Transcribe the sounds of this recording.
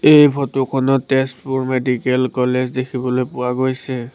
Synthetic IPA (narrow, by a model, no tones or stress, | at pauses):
ejpʰɔtukʰɔnɔtestpuɹmedikɛlkɔlezdekʰibɔlojpʊwaɡojsɛ